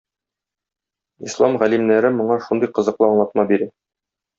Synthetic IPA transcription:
islˠɑmʁælimnæɾɘmŏɴɑʃund̪ɤjqɤ̆zɤ̆qlˠɤɑɴlˠɑt̪̚mɑbiɾæ

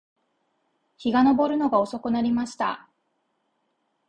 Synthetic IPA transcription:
çiɡano̞bo̞ɾɯ̟no̞ɡao̞so̞kɯ̟naɾʲimaɕi̥t̪a̰

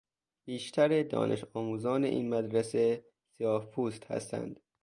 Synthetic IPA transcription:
b̥iːʃt̪ʰæɾed̪ɒ̰ːnʔḛʃɒːmuːzɒːneʔḭːnmæd̪ɾese | sijɒːhpʰuːst̪hæ̰st̪ʰæ̰nd̪̥

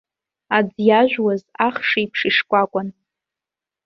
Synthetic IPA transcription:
ad͡zjaʒᶣwazaχʂiipʰʂɨʂkʷʼakʷʼʊn

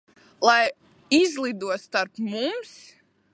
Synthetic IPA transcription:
lˠaj | izlˠid̪uɔt̪st̪aɾpmums

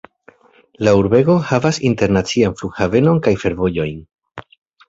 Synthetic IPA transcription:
lauɾbe̞ɡo̞havasinte̞ɾnat͡sianflukhave̞no̞nkajfe̞ɾvo̞jo̞jn

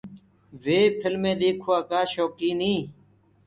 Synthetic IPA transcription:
ʋeːpʰɪlmẽːd̪eːkʰoaːkaːʃoːkiːnĩː

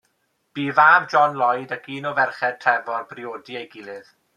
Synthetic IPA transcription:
b̥iːvaːvd͡ʒɔnlˠɔjdaɡʰiːnɔvɛrχɛd̚tʰrɛvɔrbrioːdiejɡɪlˠɨð

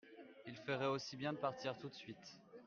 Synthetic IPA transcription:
ilfəʁɛosibjɛ̃d̪əpaʁt̪ʰiʁt̪ut̪sɥit̪

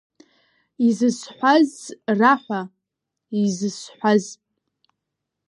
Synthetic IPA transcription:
izɨsħʷazraħʷa | izɨsħʷazpʼ

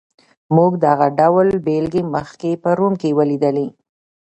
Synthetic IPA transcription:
muɡd̪əaɣaɖawlbelɡeməxkepəɾomkewəlid̪əle

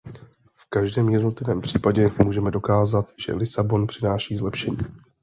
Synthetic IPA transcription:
fkaʒdɛːmjɛdno̞t̪lɪvɛːmpr̝̥iːpaɟɛmuːʒɛmɛdo̞kaːzat̪ʒ̥ɛ̰lɪsabo̞npr̝̥ɪnaːʃiːzlɛpʃɛɲiː

